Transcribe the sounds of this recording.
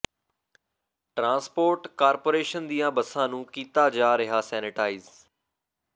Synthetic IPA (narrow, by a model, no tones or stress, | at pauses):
ʈɾãːnspoːɾʈkaːɾpoːɾeːʃənd̪ijãːbəsãːnũːkiːt̪aːd͡ʒaːɾɪɦaːsɛːnɪʈaːiz